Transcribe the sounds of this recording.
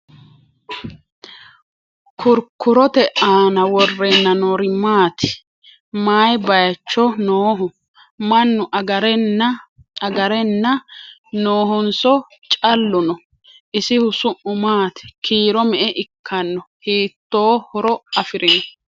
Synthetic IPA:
kʰʊɾkːʊɾɔt̪ɛʔaːnɐwɔrːɛnːɐnɔɾɪmaːt̪ɪ̥ | maːjbɐjɐt͡ʃːɔnoːɦʊ | mɐnːʊʔɐɡɐɾ | ɐɡɐɾɛnːɐ | noːɦɔnsɔ | t͡ʃʼɐlːʊnɔ | ʔɪsɪhʊsʊʔʊmaːt̪ɪ̥kʰiːɾɔmɛʔɛʔɪkʰːɐnːɔhiːt̪ːo̞ːhɔɾɔɐfɪɾɪnɔ

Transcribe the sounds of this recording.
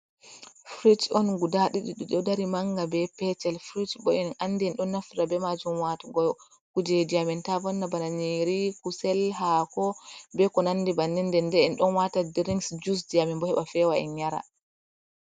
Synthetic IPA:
fɾitɔnɡudaɗiɗiɗiɗɔdaɾimaŋɡabɛpɛt͡ʃɛlfɾitbɔʔɛnʔanːdɛɛnɗɔnːafɾabɛmad͡ʒumwataɡɔ | kud͡ʒediamintavɔnːabanaɲiɾikusɛlɦakɔbɛkɔnandibanːɛndɛndɛɛnɗɔnwatadiɾiŋsd͡ʒus̬diamimbɔhɛɓafɛwaɛ̰nɲaɾa̰

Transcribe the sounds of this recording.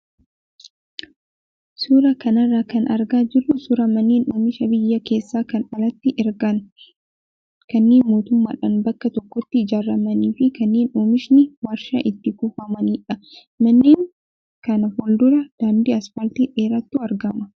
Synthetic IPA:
suːɾɐkɐnɐrːaːkɐnʔɐɾɡaːd͡ʒɪrːʊsʊɾɐmɐnːeːnoːmɪʃɐbɪjːɐke̞ːsːaːkɐnɐlɐt̪ːɪʔɪɾɡɐn | kɐnːeːnmo̞ːt̪ʊmːa̰ːᶑɐnbɐkːɐt̪ɔkːɔt̪ːɪɪd͡ʒaːrːɐmɐniːfɪkɐnːeːnoːmɪʃnɪwɐɾʃa̰ʔɪt̪ːɪkʊfɐmɐniːᶑɐ | mɐnːeːŋ | kɐnɐhʊld̪ʊɾɐd̪̥aːnd̪iːɐsfɐlt̪iᶑeːɾɐt̪ːuːɐɾɡɐmɐ

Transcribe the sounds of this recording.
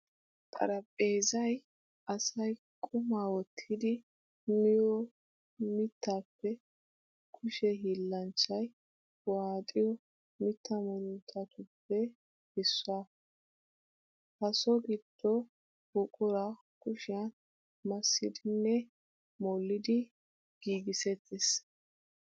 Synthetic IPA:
t̪ʼɐ̰ɾɐpʼːeːzɐj | ɐsɐj | kʼʊmaːwɔt̪ʰːɪd̪ɪ | mɪjɔ | mɪt̪ːaːpːɛ | kʰʊʃɛɦiːlːɐnt͡ʃːɐj | waːt̪ʼɪjɔ | mɪt̪ːɐmɔlʊnt̪ʰːɐt̪ʊpːɛ | hɪsːʊa | hɐsɔɡɪd̪̥ːɔ | b̥ʊkʼʊɾa | kʊʃɪjan | mɐsːɪ̰d̪ɪnːɛ | mɔlːɪd̪ɪ | ɡ̥iːɡɪsɛt̪ʰːɪs

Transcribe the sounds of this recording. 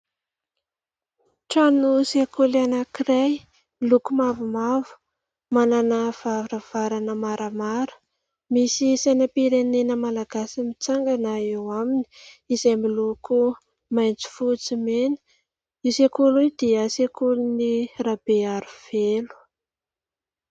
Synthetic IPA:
ʈ͡ʂanusekʰolanəkiɾaj | milukumavumavu̥ | mananəv̥avrav̥aɾanəmaɾʔəmaɾə̥ | misisanapiɾenenəmalaɡasimit͡saŋɡanaewaminiizajmiluku | majnt͡si̥fut͡simenə̥ | isekolujd̪iəsekulunirab̥eaɾiv̥elu̥

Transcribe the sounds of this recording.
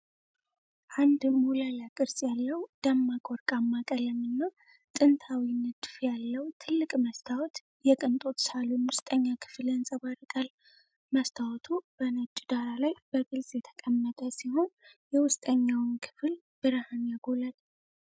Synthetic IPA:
ʔand̪mulalakʼɨɾsʼjalːəwd̪̥əmːakʼoɾkʼamːakʼələmɨnːaw | t̪ʼɨnt̪ʰawinːɨd̪fjalːəwt̪ʰɨlːɨkʼməst̪ʰawɔt̪ | jɛkʼɨnt̪ʼo̞t̪salunwʊst̪ʼəɲːakʰɨ̥flənsʼəβaɾkʼal | məst̪ʰawɔt̪ʰub̥ənət͡ʃʼːd̪aɾalajb̥əɡɨlsʼjɛt̪ʰə̥kʼəmːət̪ʼəsiho̞n | jɛwʊst̪ʼəɲːawnkʰɨ̥fɨl | b̥ɨɾhanjaɡolal

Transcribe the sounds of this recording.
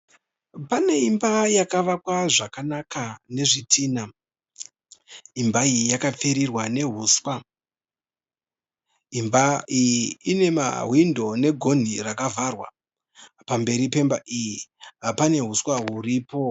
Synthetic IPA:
pane̞imbajakaʋakwaʐakanakane̞ʐitʰiːna | imbaijijakap͡feɾirwane̞ɦuswa | imbaijiːne̞ma̰ɦwindʱo̞ne̞ɡʱo̞n̤irakavarwa̰ | pambe̞ɾipe̞mbaʔijipane̞ɦuswaɦuriːpo̞

